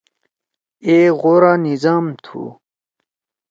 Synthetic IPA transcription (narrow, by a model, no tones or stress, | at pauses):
eʁoːɾanizaːmt̪ʰṵ